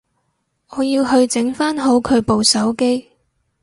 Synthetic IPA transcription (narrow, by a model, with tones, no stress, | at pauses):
ʔɔː˨˧jiː˧wɦɵ˧ɥt͡sɪ˨˥ŋfaː˥nɦo˨˥wkʰɵ˨˧ɥpo˨wsɐ˨˥wke˥j